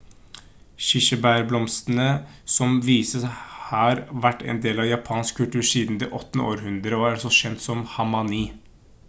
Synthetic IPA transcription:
ʃɪʃəbæɾblɔmst̪nə | sɔmʋiːsəshɑːɾʋæʈːɛ̰ɪnd̪eːlɑʋjɑpʰɑːnsk̚kʰːʉlʈ̪ʉːɾsiːd̪n̩d̪ɛ̰ʔɔt̪ːnəo̰ːɾɦʉnd̪ɾəɔæɾɑlsɔʃɛnt̪sɔmhɑmɑniː

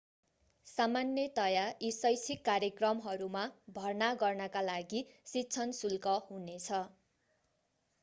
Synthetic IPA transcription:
samanjʌt̪ʌjaisʌjsʰikːarjʌkrʌmɦʌɾumabʱʌrnaɡʌrnʌkalaɡisitːt͡sʰʌnsulkʌhunet͡sʰʌ

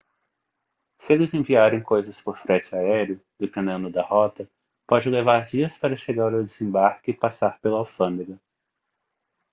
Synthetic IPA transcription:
sɪelɪzẽviaɾẽj̃kojzɐspoɾfɾẽt͡ʃɪaɛɾiʊd̪epẽnd̪ẽnd̪ʊd̪ɐhɔt̪ɐ | pɔd͡ʒɪlevaɾd͡ʒiɐspaɾɐʃeɡaɾawd̪ezẽbaɾkɪpasaɾpelʊawfɐ̃nd̪eɡɐ

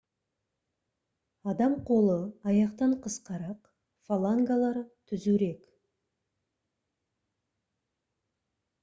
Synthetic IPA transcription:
ɑd̪ɑmqʰo̞lˠəɑjɑqt̪ɑɴqʰəsqɑɾɑq | falˠaŋɡalˠɑɾt̪ʰʏzuɾe̞k

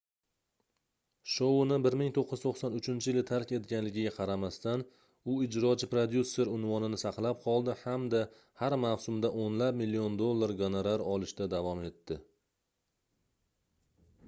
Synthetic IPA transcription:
ʃonɪbɪɾmɪŋt̪ʰoqːɨz̥t̪ʰoqsɒnʊt͡ʃʰɪnt͡ʃʰɪjɪlɪt̪ʰaɾkʲe̞t̪ɡʲanlɪɡʲɪɡʲaqʰɑɾamast̪an | ʊɪd͡ʒɾɒt͡ʃɪpɾod̪jusːe̞ɾʊnvɒnɪnɪsɑqlˠap̚qʰɒlˠd̪ɪhamd̪a | haɾmawsʊmd̪aʔonlap̚mɪlːiond̪o̞lˠːaɾɡonaɾaɾɒlˠɪʃt̪ad̪avɒme̞t̪ːɪ

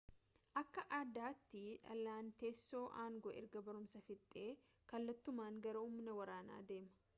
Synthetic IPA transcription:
ʔɐkːɐʔaːd̪aːt̪ːɪᶑɐ̰lːaːnt̪eːsːo̞ːʔaːŋɡoʔɛ̰ɾɡɐbɐɾʊmsɐfɪt̪ʼːe̞ː | kɐlːɐt̪ːʊmaːŋɡɐɾɐuːmːnɐwɐɾaːna̰ːd̪e̞ːmɐ̥

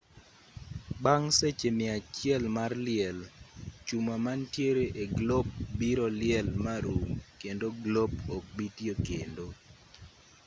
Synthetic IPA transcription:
baŋset͡ʃemɪat͡ʃɪɛlmarlɪɛlt͡ʃumamantjeɾeʔeɡlɔb̚biɾɔlɪɛlmaɾukendoɡlɔbɔk̚bitjokendo

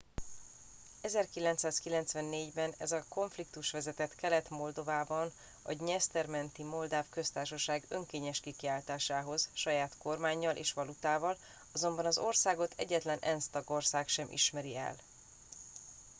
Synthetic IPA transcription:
ɛzɛrkilɛnt̪saːskilɛnt̪sʋɛnːeːɟbɛnɛzɒko̞ɱflik̚t̪uʃʋɛzɛt̪ɛt̪kɛlɛt̪mo̞ld̪o̞vaːbɒn | ɒ̰ɟɲɛst̪ɛrmɛnt̪imo̞ld̪aːfkø̞st̪aːrʃɒʃaːɡø̞ŋkeːɲɛʃkikiaːlt̪aːʃaːɦo̞z̥ʃɒjaːt̪ko̞rmaːɲːɒlʔḛːʃʋɒlut̪aːvɒl | ɒzo̞mbɒnɒzo̞rsaːɡo̞t̪ʰɛ̰ɟːɛt̪lɛnɛ̰nst̪ɒɡo̞rsaːkʃɛmʔḭʃmɛɾiɛ̰l

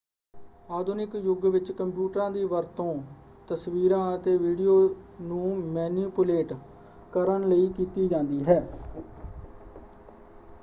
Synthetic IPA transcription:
aːd̪ʊnɪkjʊɡʋɪt͡ʃkəmpjuːʈəɾãːd̪iːʋəɾt̪õː | t̪əsʋiːɾãːət̪eːʋiːɖijoːnũːmɛːniːpʊleːʈ | kəɾənləiːkiːt̪iːd͡ʒãːnd̪iːɦɛː

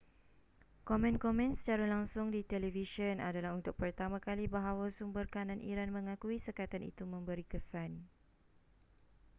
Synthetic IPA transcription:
kɔmɛ̃nkɔmɛ̃nsə̥t͡ʃaɾalaŋsʊŋdit̪ɛlɛvisəna̰dalaɦunt̪ʊk̚pərt̪amãkalibaɦawasumbərkanãnʔḭɾanmə̃ŋakuisəkat̪anḭt̪umə̃mbəɾikəsan

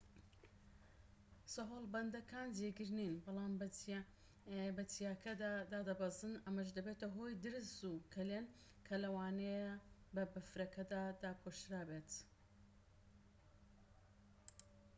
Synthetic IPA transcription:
soɦoːlˠbɐnd̪ɐkaːnd͡ʒeɡɨɾninbɑlˠaːm | bɐt̪ʰijaːkʰɐd̪ad̪aːd̪ɐbɐzɨnɐmɐʃd̪ɐbeːt̪ɐɦoːjd̪ɨɾɨsukʰɐleːn | kʰɐlɐwaːnejɐbɐbɐfɾɐkɐd̪aːd̪aːpʰoʃɾaːbet̪

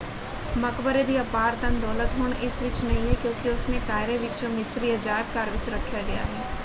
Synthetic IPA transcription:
mɐkʋəɾed̪iɐpaːɾd̪ənd̪ɔːlət̪ɦʊɳɪsʋɪt͡ʃnɐɦĩɦɛkjõːkiʊsnekaːɪɾẽʋɪt͡ʃõmɪsɾiəd͡ʒaːɪb̚kaːɾʋɪt͡ʃɾɐkʰːjaɡɐja̰ɦɛː

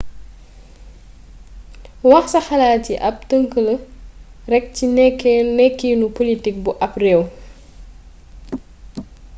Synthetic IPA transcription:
wɐxsɐxɐlaːtiʔɐp̚təŋkəlɐ | rɛk̚cinɛkːɛnɛkːiːnupolitik̚buʔɐprɛw

